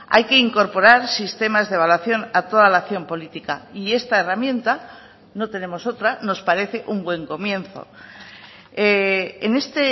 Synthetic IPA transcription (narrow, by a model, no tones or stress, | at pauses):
a̰jke̞iŋko̞ɾpo̞ɾaɾsist̪e̞mazðeβ̞alwaθjo̞nat̪o̞ð̞alaθjo̞mpo̞lit̪ika̰ie̞st̪aeramjẽ̞nt̪a | no̞t̪e̞ne̞mo̞so̞t̪ɾano̞spaɾe̞θe̞ʔumbwe̞ŋko̞mjẽ̞nθo̞̰ | eene̞st̪e